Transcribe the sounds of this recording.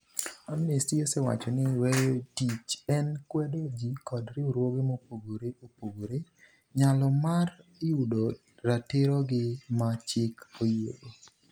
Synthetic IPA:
amnistiosɛwa̰t͡ʃɔnɪwɛtit͡ʃɛnkwɛdod͡ʒikɔdɾɪuɾwoɡemopoɡoɾeopoɡoɾe | ɲalɔmariudo | ɾatɪɾɔɡɪmat͡ʃɪkojo̰do

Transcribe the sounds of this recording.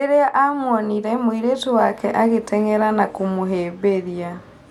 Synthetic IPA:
eɾeaʔamwɔniɾɛmwiɾetowakɛʔaɣetʰɛŋɛɾanakomoɦeːβeðia

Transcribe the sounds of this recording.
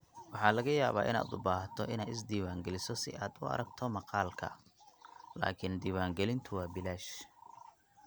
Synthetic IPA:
wɑħɑːlɐɣɐjaːβaːʔɪ̰na̰ːd̪ʊbaːɦt̪ʰɔʔɪnaːjɪs̬d̪iːwaːŋɡɛlɪsɔsɪ̰ʔaːd̪ʊɐ̰ɾɐɡt̪ʰɔmɑqɑːlkʰɐ̰ | la̰ːkʰɪnd̪iːwaːŋɡɛlɪnt̪ʰʊwɑːbɪlaːʃ

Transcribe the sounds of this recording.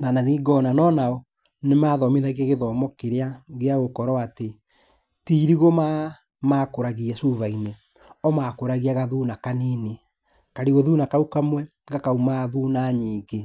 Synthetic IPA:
nanaðiɡɔnanɔnaɔ | nemaːðɔmeðaɣaɣeðɔmɔkeɾeaɣeaɣokɔɾɔate | tiɾiɣoma | makoɾaɣiɛsuvaine | ɔmakoɾaɣiaɣaðuːnakaneːne | kaɾiɣoðunakaukamwɛ | ɡakaumaðuːnaɲiːɡe

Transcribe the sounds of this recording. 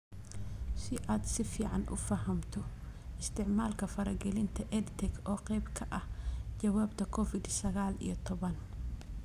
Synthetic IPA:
siʔat̪sɪfiʕa̰nʔṵfɐɦɐmt̪ʰuʔɪst̪ɪʕmalkɐfɐɾɐɡɐlint̪ʰɐʔed̪t̪ɛkoqʼebkʰɐʔɐd͡ʒɐwabt̪ɐkʰofid̪sɐɡaːlḭjɔt̪ʰɔbɐn

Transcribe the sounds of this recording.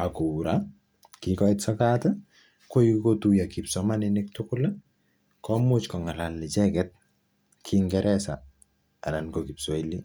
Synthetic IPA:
akuɾa | kikɔitsakata | koikotujakipsɔmaninɪk̚tʊkʊla | kɔmʊt͡ʃkɔŋalalːɪt͡ʃɛkɛt̚ | kʰiŋɡɛɾʔɛsa̰ː | lankokipsɔili

